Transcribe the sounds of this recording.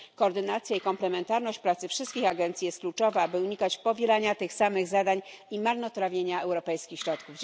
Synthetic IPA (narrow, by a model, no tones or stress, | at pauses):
kɔːɾd̪ɘnat̪sʲjaikɔmplɛmɛnt̪aɾnɔɕt͡ɕpɾat̪sɘfʂɘst̪kʲixaɡɛnt̪sʲijɛst̪̚klut͡ʂɔvabɘuɲikat͡ɕpɔvʲelaɲat̪ɘxsamɘɣzad̪aɲimaɾnɔt̪ɾavʲjeɲaɛwɾɔpɛjskʲixɕɾɔt̪kuv